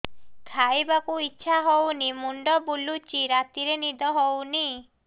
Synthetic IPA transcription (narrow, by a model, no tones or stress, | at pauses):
k̪ʰajbakuitːʃʰaɦownimuɳɖɔbulut͡ʃiɾat̪iɾenid̪ɔɦowni